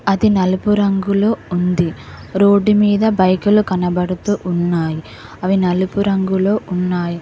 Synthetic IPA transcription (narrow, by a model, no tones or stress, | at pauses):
ɐd̪inɐlupuɾɐŋɡuloːund̪i | ɾo̞ːɖːumiːd̪ɐbɐjkulukɐnɐbɐɽut̪uːʔunːaːji | ɐʋinɐlupuɾɐŋɡuloːʔunːaːji